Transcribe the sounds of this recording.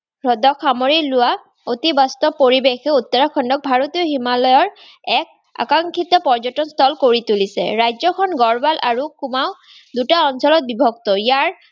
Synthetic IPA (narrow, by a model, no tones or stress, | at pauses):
ɹɔdɔkʰamoɹilʊwa | ot̪ibast̪ɔpoɹibexɛut̪ːɔɹakʰːɔndɔk̚bʱaɹot̪iɔɦimalɔjɔɹ | ɛk̚ | a̰kaŋkʰit̪ɔpɔɹzɔtɔnst̪ʰɔlkoɹitulisɛ̰ɹajzɔkʰɔnɡɔɹbalʔaɹukumaʊ | dutaɔnsɔlɔt̚bibʱɔk̚t̪ɔjaɹ